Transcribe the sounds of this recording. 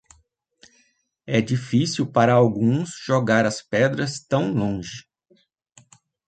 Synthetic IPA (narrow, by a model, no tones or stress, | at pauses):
ɛd͡ʒifisiwpaɾɐawɡũsʒ̥oɡaɾɐspɛd̪ɾɐst̪ɐ̃w̃lõʒɪ